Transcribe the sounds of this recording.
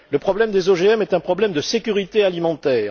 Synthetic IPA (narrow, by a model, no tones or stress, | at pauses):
ləpχɔblɛmd̪ezoʒeɛmɛt̪ɛ̃pχɔblɛmd̪əsekʲyʁit̪ealimɑ̃t̪ɛː